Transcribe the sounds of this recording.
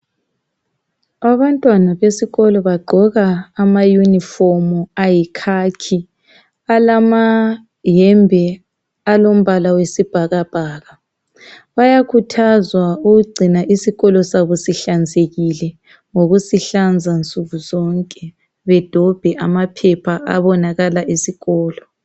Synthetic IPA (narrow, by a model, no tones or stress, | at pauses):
aβantʼwanaβesiɣɔlɔβaɡ͡ǃʱɔɣaːmajunifɔmuajikʰakʰi | alama | jɛmbʱɛ | alom̩βalawesib̥ʱaɣab̥ʱaːɣa | βajakʰutʰazwauɣuɡ͡ǀʱinaʔisiɣɔlɔsaβusiɬand͡zʱeɣilɛ | ŋoɣusiɬand͡zʱant͡sʼuɣuzɔŋkʼɛ | βɛd̥ʱɔb̥ʱɛʔamapʰɛpʰaʔa̰βɔnaɣalaʔisiɣɔːlɔ